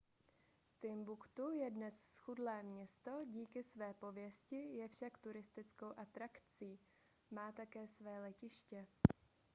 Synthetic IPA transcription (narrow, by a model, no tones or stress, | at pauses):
t̪ɪmbukt̪ujɛdnɛssxudlɛːmɲɛst̪o̞ɟiːkɪsvɛːpo̞vjɛscɪjɛfʃakt̪uɾɪst̪ɪt͡skowʔat̪ɾakt͡siː | maːt̪akɛːsvɛːlɛcɪʃcɛ